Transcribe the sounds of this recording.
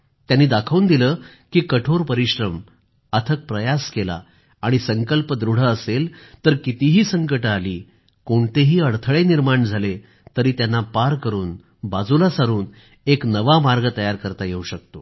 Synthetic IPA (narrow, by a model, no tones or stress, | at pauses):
t̪janːiːd̪akʰəʋund̪ilə | kiːkəʈʰoɾpəɾiɕɾəm | ət̪ʰək̚pɾəjaskela̰ | aɽ̃isəŋkəlpəd̪ɾuɽ̤əːselt̪əɾkit̪iɦiːsəŋkəʈaliː | koɳt̪eɦiːəɽt̪ʰəɭeniɾmaɳd͡zʱale | t̪əɾiːt̪janːapaɾkəɾuːn | bad͡zulasaɾuːn | eknəʋamaɾɡət̪əjaɾkəɾt̪ajeuɕək̚t̪o